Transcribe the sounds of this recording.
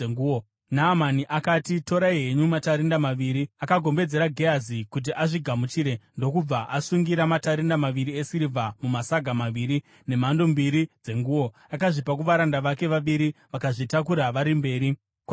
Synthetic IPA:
ŋu | naːmaniʔakaːtito̞ɾaiɦe̞ɲumataɾindamaʋiːɾiakaɡʱo̞mbe̞d͡ze̞ɾaɡʱeazikut̬iʔaʐiɡʱamut͡ʃiːɾe̞ndo̞kub͡vaʔasuŋɡiɾamataɾindamaʋiɾiesiɾivʱamumasaɡʱamaʋiːɾi | ne̞mando̞mbiɾid͡ze̞ŋɡuːwo̞ | akaʐipak̬uʋaɾandaʋake̞ʋaʋiɾiʋakaʐitak̬uɾaʋaɾimbe̞ːɾi | kwa

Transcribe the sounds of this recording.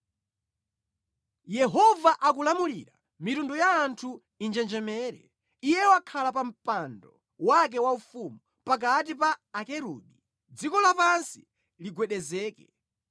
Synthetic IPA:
jɛɦɔvaʔakulamulḭɾa | mitundujaːntʰu | ind͡ʒɛnd͡ʒɛmɛːɾɛ̰ | ijɛwakʰalapam̩pandɔ | wak̬ɛwaufumu | pak̬at̬ipaːkɛɾṵːɗi | d͡zikɔlapansi̥ | liɡwɛɗɛzɛːkɛ

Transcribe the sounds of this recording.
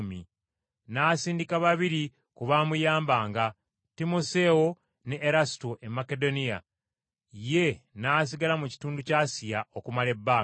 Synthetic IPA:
mḭ | naːsiːndikaβaβiɾi | kuβaːmujaːmbaːŋɡa | timose̞o | neʔːɾasi̥toʔe̞make̞do̞nija̰ | je̞naːs̬iɡalamuci̥tuːnducaːsijaokumale̞bːaː

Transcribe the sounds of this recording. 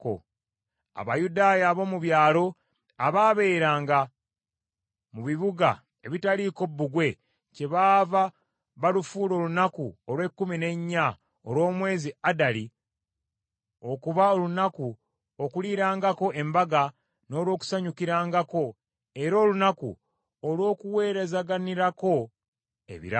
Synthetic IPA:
ko̰ | a̰βajudaːjaːβo̞muβjaːlo̞ | aβaβe̞ːɾaːŋɡa | muβiβuɡa̰ | e̞̰βitaliko̞bːuɡwe̞ | ce̞βaːva | βalufuːlo̞ːlunakuolwe̞kːumine̞ɲːa | olwo̞ːmwe̞ːziadali | o̞kuβaolunaku | okuliːɾaːŋɡako̞ʔe̞mbaɡa | no̞ːlwo̞ːku̥saɲukiɾaːŋɡako̞ | e̞ɾo̞ːlunakṵ | olwo̞ːkuwe̞ːɾe̞zaɡaniɾako̞ | ḛβḭɾa

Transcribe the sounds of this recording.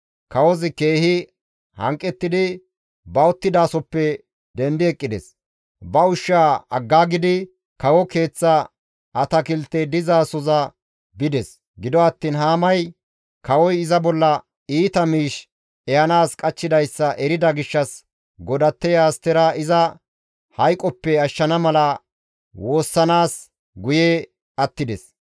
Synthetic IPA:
kɐwɔzɪke̞ːhɪ | hɐ̰ŋkʼːɛt̪ːɪd̪ɪ | bɐɔt̪ːɪd̪aːsɔpːɛ | d̪ɛnd̪ɪɛkʼːɪd̪ɛ̰s | bɐʊʃːaːɐɡːaːɡɪd̪ɪ | kɐwɔke̞ːt͡sːɐ | ɐt̪ɐkɪlt̪ːɛd̪ɪzaːsɔzɐ | bɪd̪ɛs | ɡɪd̪ɔɐt̪ːiːnɦaːmɐj | kɐwɔjɪzɐbɔlːɐ | iːt̪ɐmiːʃ | ɛjɐnaːskʼɐt͡ʃːɪd̪ɐjsːɐʔɛɾɪd̪ɐɡɪʃːɐs | ɡɔd̪ɐt̪ːɛjaːst̪ɛɾaːʔɪzɐ | hɐjkʼːɔpːɛɐʃːɐnɐmɐlɐ | wo̞ːsːɐnaːs | ɡʊje | ɐt̪ːɪd̪ɛs

